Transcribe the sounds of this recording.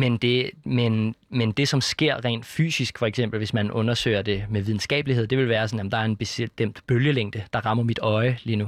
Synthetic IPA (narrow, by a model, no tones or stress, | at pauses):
mend̥e̝menmend̥e̝sɒ̽msɡ̥e̝ɐ̰ʁɛ̰ːnd̥fy̰ːsisɡ̥fɒ̽eɡ̥sem̰b̥l̩ʋe̝smænʔɔ̽nɐsø̰ːɪɐd̥e̝meʋið̞ˠn̩sɡ̥ɛ̰ːb̥lihe̝ð̞̰ˠd̥e̝ʋe̝lʋæːɐsɒ̽njæm̩d̥ɑ̈æɐe̝nb̥e̝sed̥em̰d̥b̥øljəleŋ̰d̥əd̥ɑ̈ʁɑ̈m̰ɐmid̥ɒ̽ɪliːnu